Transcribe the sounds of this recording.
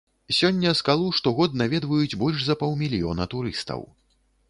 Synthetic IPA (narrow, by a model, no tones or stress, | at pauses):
sʲɔnʲːɐskalˠuʂt̪ɔɣɔd̪navʲɛd̪vɐjud͡zʲbɔlʲʂzɐpɔwmʲilʲijɔ̰nɐt̪uɾɨst̪ɐ̰w